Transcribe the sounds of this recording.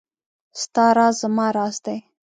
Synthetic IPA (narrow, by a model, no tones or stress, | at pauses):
st̪ɑɾɑzzəmɑɾɑːsd̪aj